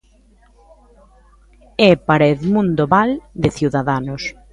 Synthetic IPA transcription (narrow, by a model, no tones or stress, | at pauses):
ɛpaɾɛðmũnd̪oβald̪ɪθjuwðaðanʊs